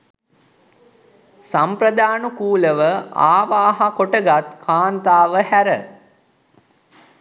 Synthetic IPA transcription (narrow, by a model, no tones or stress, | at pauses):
sampɾəd̪aːnukuːləʋəaːʋaːɦakoʈəɡat̪kʰaːnt̪aːʋəhæɾə